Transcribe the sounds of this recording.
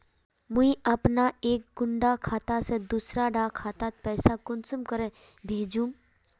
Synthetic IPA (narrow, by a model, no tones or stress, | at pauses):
mʊiɐpnaeːk̚ɡʊɳɖakʰaːt̪ased̪uːsɾaɖaːkʰaːt̪at̪̚pɛːsakʊnsʊmkəɾe | bʱeːd͡ʒũːm